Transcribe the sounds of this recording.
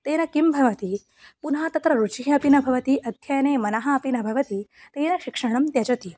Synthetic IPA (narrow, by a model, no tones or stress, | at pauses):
t̪eːnɐkimbʱɐʋɐt̪i | punɦat̪ɐt̪ɾɐɾut͡ʃiɦɐɐpinɐbʱɐʋɐt̪iʔɐd̪ʱjɐjɐneːmɐnɐɦɐːpinɐbʱɐʋɐt̪it̪eːnɐʃikʂɐɽ̃ɐmt̪jɐt͡ʃɐt̪i